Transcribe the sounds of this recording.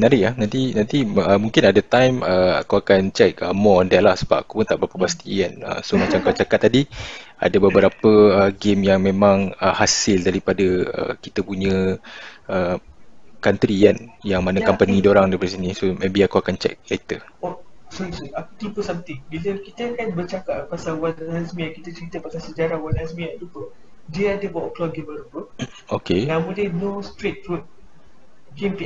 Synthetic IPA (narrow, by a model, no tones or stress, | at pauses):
naɾɪʔahnant̪inant̪iəmuŋkɪnadət̪ajməa̰koakant͡ʃɛk̚əmɔɔndɛʔlahsəba̰paku̥pʊnt̪aʔbəɾapəpast̪ianə̰somat͡ʃamkat͡ʃakat̪ːadi | a̰dəbəbəɾapəəɡemjaŋmẽmãŋəhasɪldaɾipadəə̰kit̪əpuɲə̃ | ə | kant̪ɾianjaŋmanakampənidoɾaŋdaɾipads̬inisomẽbiakuakant͡ʃɛ̰k̚ɛt̪ə | osɔisɔakut̪ipəsamt̪ɪŋbiləkit̪əakanbət͡ʃakaʔpasalwanɾɛsmĩakit̪ət͡ʃəɾit̪əpasalsəd͡ʒaɾawanɛsmĩaʔlupə | diəadəbawʔklɔɡənbaɾupə | okenamudenost̪ɾet̪̚ɾut̪̚ | kimpi